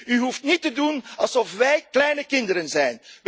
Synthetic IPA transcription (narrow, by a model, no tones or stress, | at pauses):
yɦuftnitədunɑlˠsɔfʋɛjklɛjnəkɪndəɾənzɛjnʋ